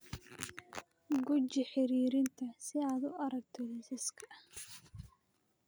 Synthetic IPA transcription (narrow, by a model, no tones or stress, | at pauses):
ɡʊt͡ʃɪħɪɾiːɾɪnt̪ʰɐsɪaːd̪ʊɐɾɐɡ̚t̪ʰɔlɪsɪskʰɐ